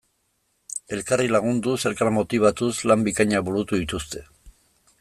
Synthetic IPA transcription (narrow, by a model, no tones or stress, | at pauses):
e̞lkarilaɣ̞und̪use̞lkaɾmo̞t̪iβ̞at̪uslambikaɲaβulut̪uðit̪ust̪e̞